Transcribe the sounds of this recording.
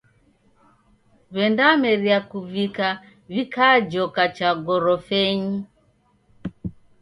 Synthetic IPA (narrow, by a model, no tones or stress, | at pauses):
βɛndamɛɾiakuvika | vikad͡ʒɔkat͡ʃaɡɔɾɔfɛɲi